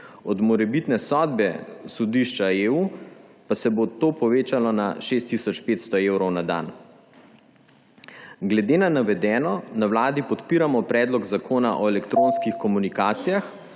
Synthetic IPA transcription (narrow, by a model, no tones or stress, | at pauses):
ɔd̪mɔɾɛbit̪nɛsɔd̪bɛsɔd̪iʃt͡ʃaeuːpasɛbot̪oːpɔʋeːt͡ʃalɔnaʃeːst̪ːisɔt͡ʃpeːt̪st̪ɔewɾɔwnad̪a̰n | ɡlɛd̪eːnanaʋɛd̪ɛːnɔnawlaːd̪ipɔt̪piːɾamɔpɾɛːd̪lɔɡzakʰoːnaʔɔɛlɛkt̪ɾoːnskixkɔmunikaːt̪sijax